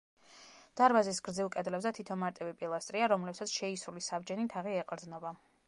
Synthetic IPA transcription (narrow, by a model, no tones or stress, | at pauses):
d̪̥aɾbazisɡɾd̪zilˠkʼɛd̪lɛbzɛt̪ʰit̪ʰɔnmaɾt̪ʼivipʼilˠast̪ʼɾiaɾɔmlɛpsat̪sʰʃɛisɾulisabd͡ʒɛnit̪ʰaʁiɛqʼɾd̪znɔba